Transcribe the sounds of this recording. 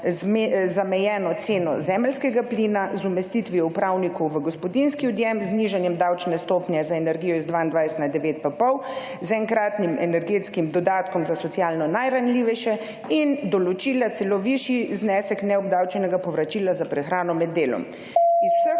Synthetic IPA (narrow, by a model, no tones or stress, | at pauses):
mzamɛjɛːnɔt̪seːnɔ̰zɛmɛlskɛɡaplinazumɛst̪it̪ʋiɔupɾawnikɔwʋəɡɔspɔd̪inskiɔd̪jɛmzniʒanjɛmd̪awt͡ʃnɛst̪oːpnjɛzaɛnɛɾɡijɔizd̪ʋaːind̪ʋajst̪nad̪ɛʋeːt̪̚papɔw | zɛŋkɾaːt̪nimʔɛnɛɾɡeːt̪skimd̪ɔd̪aːt̪kɔmzasɔtsijaːlnɔnajɾanliʋɛʃɛ | ind̪ɔlɔt͡ʃiːlat̪sɛloʋiʃiznɛsɛknɛɔbd̪awt͡ʃɛnɛɡapɔʋɾat͡ʃilazapɾɛxɾaːnɔmɛd̪ːeːlɔ̰m | izusə